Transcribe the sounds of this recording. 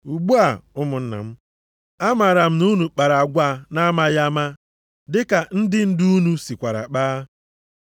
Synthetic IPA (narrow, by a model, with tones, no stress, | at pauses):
u˨ɡ͡bu˦a˨ʊ˦mʊ˨n̩˦na̰˨m̩˦ | a˦ma˨ɾa˨m̩˦nu˦nu˨k͡pa˨ɾa˨a˨ɡʷa˦˨na˦ma˦ja˦ma˦ | dɪ˦ka˨n̩˦dɪ˦n̩˦du˦u˦nu˦si˨kʷa˨ɾa̰˨k͡paː˦